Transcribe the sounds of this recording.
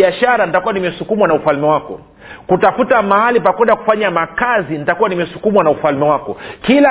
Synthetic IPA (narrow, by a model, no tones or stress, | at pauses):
iaʃaɾanitakuwanimɛsukumwanaufalmɛwakɔ̰ | kutafutamahalipakɛɗaku̥faɲamakazinitakuwanimɛsukumwanaufalmɛwakɔkila